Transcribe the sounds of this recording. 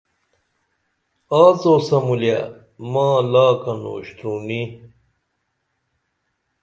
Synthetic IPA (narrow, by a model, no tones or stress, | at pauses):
aːt͡soːsɐmulja̰ | mãːlaːkɐno̰ːɕt̪ɾuni